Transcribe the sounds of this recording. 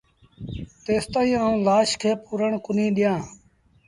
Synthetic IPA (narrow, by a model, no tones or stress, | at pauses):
t̪eːst̪aːĩːãlaːʃkʰeːpuːɾəɳkʊnĩːɗɪjãː